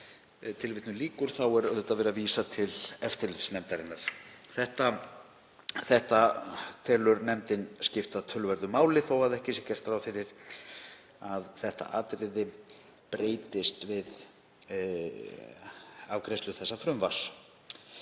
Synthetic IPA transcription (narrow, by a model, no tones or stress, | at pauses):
t̪ʰɪlvɪt̪nʏliːkʏɾ̥θawɛɾœðt̪avɛːɾaviːsat̪ʰɪlɛft̪ɪɾlɪt̪snɛmt̪aɾɪnːaɾ̥θɛht̪a | θɛht̪at̪ʰɛːlʏɾnɛmt̪ɪnscɪft̪aðt̪ʰœlvɛɾðʏmaːwlɪθowaðɛhcɪsɛcɛr̥t̪ɾawfɪɾɪɾ | aðθɛht̪a̰ʔaːt̪ɾɪðɪ | pɾeːjt̪ɪst̪vɪð | avkɾɛst̪lʏθɛsːafɾʏmvḁs